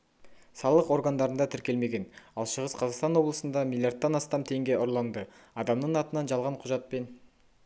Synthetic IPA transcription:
sɑlˠəqo̞ɾɡɑnd̪ɑɾənd̪ɑt̪ʰɪɾkʲe̞lme̞ɡʲe̞nɑlˠʃəʁəsqʰɑzɑqst̪ɑnwo̞blˠəsənd̪ɑmilˠjard̪ːɑnɑst̪ɑmt̪ʰe̞ŋɡʲe̞ʔʊɾlˠɑnd̪ə | ɑd̪ɑmnəɴɑt̪ənɑnʒɑlˠʁɑɴqʰʊʒɑt̪̚pe̞n

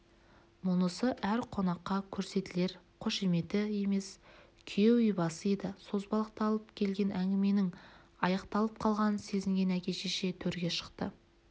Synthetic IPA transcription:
mʊnəsəʔæɾqʰo̞nɑqːɑkʲʰɵɾse̞t̪ɪle̞ɾ | qʰoʃeme̞t̪ɪe̞me̞s | kʲʰjewʏjbɑsəed̪ɪso̞zbɑlˠəq̚t̪ɑɑlˠəpkʲʰe̞lɡʲe̞nʔæŋɡʲɪme̞nɪŋ | ɑjɑqt̪ɑlˠəp̚qʰɑlˠʁɑnse̞zɪŋɡʲe̞nækʲe̞ʃeʃe̞t̪ʰɵɾɡʲe̞ʃə̥qt̪ə

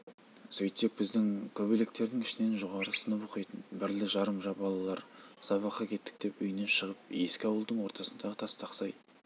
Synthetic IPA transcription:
sɵjt̪e̞k̚b̥ɪzd̪ɪŋk̪ʰobɪle̞k̚t̪e̞ɾd̪ɪŋɪʃɪne̞nʒoʁɑɾəsənəpoqijt̪ənbɪɾlɪʒɑɾəmʒɑbɑlˠɑlˠɑɾsɑβɑqɑkʲʰe̞t̪ːɪ̥k̚t̪e̞pʏjɪne̞nʃəʁəp̚je̞skʲɪɑwəlˠd̪əɴwo̞ɾt̪ɑsənd̪ɑʁət̪ʰɑst̪ɑqsɑj

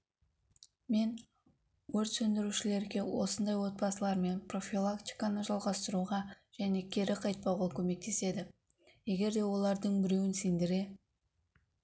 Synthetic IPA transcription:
me̞n | wɵɾt̪sɵnd̪ɪɾuʃɪle̞ɾɡʲe̞wo̞sənd̪ɑjwo̞t̪̚bɑsəlˠɑɾme̞npro̞fʲilˠakt̪ʲi̥jkanəʒɑlˠʁɑst̪əɾuʁɑ | ʒ̥æne̞kʲʰe̞ɾɪqʰɑjt̪̚pɑʁokʲʰɵme̞k̚t̪e̞se̞d̪ɪ | je̞ɡʲe̞ɾd̪e̞wo̞lˠɑɾd̪əɴbɪɾe̞wɪnsend̪ɪɾe̞

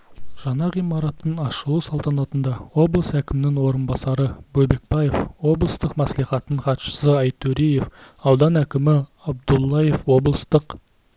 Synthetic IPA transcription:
ʒ̥ɑnɑʁijmɑɾɑt̪ːənɑʃəlˠusɑlˠt̪ɑnɑt̪ənd̪ɑwo̞blˠəsækʲɪmɪnɪŋwo̞ɾənbɑsɑɾəbɵbe̞k̚bɑje̞fwo̞blˠəst̪əqmæslˠiχɑt̪əɴχɑt̪ʃə̥səɑjt̪ʰːɵɾije̞fɑwd̪ɑnækʲɪmɪ | ɑb̚d̪ulˠːɑje̞fwo̞blˠəst̪əq

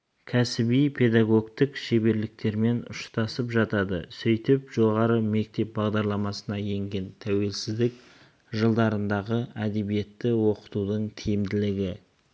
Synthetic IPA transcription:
kʲʰæsɪbijpʰe̞d̪aɡo̞kt̪əkʃe̞be̞ɾlɪk̚t̪e̞ɾme̞nʊ̰ʃt̪ɑsəpʒɑt̪ɑd̪ə̰sʏjt̪ɪpʒo̞ʁɑɾəme̞k̚t̪e̞p̚bɑʁd̪ɑɾlˠɑmɑsənɑje̞ŋɡʲe̞nt̪ʰæwe̞lsɪzd̪ɪk̚ | ʒəlˠd̪ɑɾənd̪ɑʁəæd̪e̞bije̞t̪ːɪwo̞qə̥t̪ud̪əɴt̪ʰijɪmd̪ɪlɪɡʲɪ

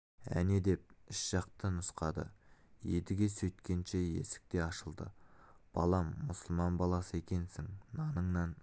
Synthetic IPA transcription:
æ̰ne̞d̪e̞p̚ɪʃʒ̥ɑqt̪ənʊsqɑd̪ə̰je̞d̪ɪɡʲe̞sɵjt̪kʲe̞nʃe̞je̞̰sɪ̥k̚t̪e̞ɑʃəlˠd̪ə̰b̥ɑ̰lˠɑmːʊsəlˠmɑnbɑlˠɑsəe̞kʲe̞nsɪŋnɑnəɴnɑn

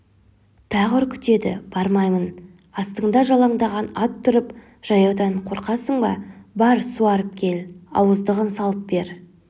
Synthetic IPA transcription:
t̪ʰɑʁəɾkʲʰʏ̥t̪e̞d̪ɪ̰b̥ɑɾmɑjmən | ɑst̪əɴd̪ɑʒɑlˠɑɴd̪ɑʁɑnɑt̪ʰːʏɾəp | ʒ̥ɑjɑwd̪ɑɴqʰo̞ɾqɑsəɴbɑ̰bɑɾsuɑɾəp̚kʲʰe̞lɑ̰wəzd̪əʁənsɑlˠəp̚be̞ɾ

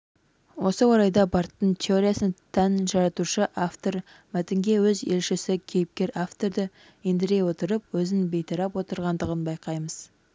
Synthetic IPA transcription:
wo̞səwoɾɑjd̪ɑbɑɾt̪ːənt̪ʲʰeoɾʲijasənt̪ʰænʒɑɾɑt̪uʃəʔaft̪o̞ɾ | mæt̪ɪŋɡʲe̞wɵze̞lʃɪsɪkʲʰe̞jɪp̚kʲe̞ɾaft̪o̞ɾd̪ə | end̪ɪɾe̞jwo̞t̪əɾəp̚wɵzɪnbe̞jt̪ʰɑɾɑpwo̞t̪əɾʁɑnd̪əʁənbɑjqɑjməz̥

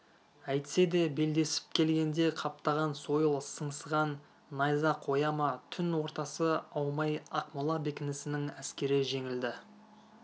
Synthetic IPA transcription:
æjt̪ɪ̥se̞d̪e̞be̞ld̪e̞sɪ̥p̚kʲʰe̞lɡʲe̞nd̪e̞qʰɑp̚t̪ɑʁɑnso̞jəlˠsəɴsəʁɑnː | ɑjzɑqʰo̞jɑmɑt̪ʰʏnwo̞ɾt̪ɑsəɑwmɑjɑqmʊlˠɑbe̞kʲɪnɪsɪnɪŋæskʲe̞ɾɪʒe̞ŋɪld̪ɪ

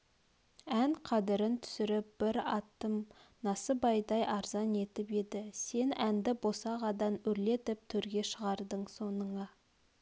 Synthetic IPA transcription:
æŋqʰɑd̪ɪɾɪnt̪ʰʏ̥sɪɾɪp̚b̥ɪɾɑt̪ːəmnɑsəbɑjd̪ɑjɑɾzɑne̞t̪ɪpe̞d̪ɪse̞nænd̪ɪbosɑʁɑd̪ɑnɵɾle̞t̪ɪp̚t̪ʰɵɾɡʲe̞ʃəʁɑɾd̪əɴso̞nəɴɑ

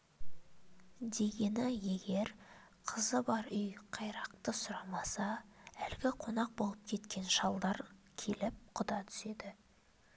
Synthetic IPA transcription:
d̪e̞ɡʲe̞nɪje̞ɡʲe̞ɾ | qʰəzəbɑɾʏjqʰɑjɾɑqt̪əsʊɾɑmɑsɑælɪɡʲɪqʰo̞nɑq̚bo̞lˠəp̚kʲʰe̞t̪kʲe̞nʃɑlˠd̪ɑɾkʲʰe̞lɪp̚qʰʊd̪ɑt̪ʰʏ̥se̞d̪ɪ

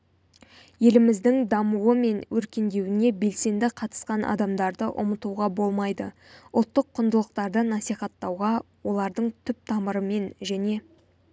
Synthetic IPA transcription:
je̞lɪmɪzd̪ɪŋd̪ɑmuwəme̞nwʔɵɾkʲe̞nd̪e̞wɪne̞be̞lse̞nd̪ɪqʰɑt̪ə̥sqɑnʔɑ̰d̪ɑmd̪ɑɾd̪əʔʊ̰mət̪uʁɑbo̞lˠmɑjd̪ə | ʊlˠt̪ːəqʰːʊnd̪əlˠəq̚t̪ɑɾd̪ənɑsijχɑt̪ːɑwʁɑ | wo̞lˠɑɾd̪əɴt̪ʰʏp̚t̪ʰɑməɾəme̞nʒæne̞

